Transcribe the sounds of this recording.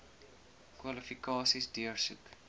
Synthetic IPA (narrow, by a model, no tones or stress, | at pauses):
kwɐlifikɑːsisdiərsuk